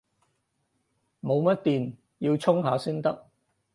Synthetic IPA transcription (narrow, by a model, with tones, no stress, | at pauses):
mo˨˧wmɐ˥t̚t̪iː˨n | ji˧wt͡sʰʊ˥ŋɦaː˨˧siː˥nt̪ɐ˥k̚